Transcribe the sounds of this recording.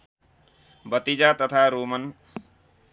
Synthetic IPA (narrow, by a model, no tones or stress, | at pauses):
bʌt̪id͡ʒat̪ʌt̪ʰaɾomʌn